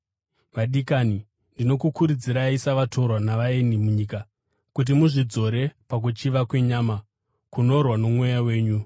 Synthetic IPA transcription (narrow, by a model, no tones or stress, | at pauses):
ʋaɗikaːni | ndino̞kukuɾud͡ziɾaisaʋatʰo̞ɾwanaʋaenimuɲiːka | kut̬imuʐid͡zo̞ɾe̞pak̬ut͡ʃiʋakwe̞ɲaːma | kuno̞rwano̞mwe̞jawe̞ːɲu